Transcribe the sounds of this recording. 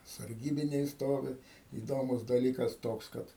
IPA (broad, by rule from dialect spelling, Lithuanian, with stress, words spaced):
sɐrʲˈɡʲiːbʲɪnʲɛɪ ˈstoːʋʲɪ iːˈdoːmʊs dɐˈlʲiːkɐs ˈtoːks ˈkɐt